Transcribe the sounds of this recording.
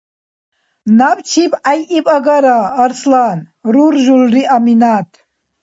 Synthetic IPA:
napt͡ʃʰipʼajipʼaɡaɾaːɾslanruɾʒulriʔaminat̪ʰ

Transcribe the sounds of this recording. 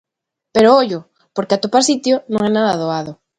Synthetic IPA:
peɾooʎʊ | poɾkeat̪opasit̪jonõŋɛnaðaðoaðʊ

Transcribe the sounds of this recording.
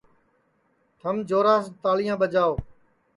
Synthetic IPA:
t̪ʰəmd͡ʒoːɾaːs̬t̪aːlijãːɓəd͡ʒaːoː

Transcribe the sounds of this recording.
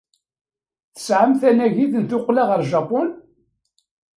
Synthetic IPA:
θə̥sʕəmθænæʝiðənt̪ʊqːlaʁəɾʒɑpʊn

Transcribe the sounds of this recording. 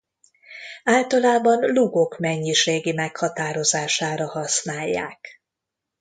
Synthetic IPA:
aːlt̪ɒlaːbɒnluɡo̞kmɛɲːiʃeːɡimɛkhɒt̪aːɾo̞zaːʃaːɾɒhɒsnaːjːa̰ːk

